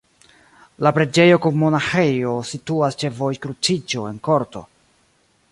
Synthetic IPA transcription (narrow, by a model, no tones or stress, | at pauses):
lapɾe̞d͡ʒe̞jo̞kunmonaxejo̞situast͡ʃe̞vo̞jkɾut͡sid͡ʒo̞e̞nko̞ɾto̞̰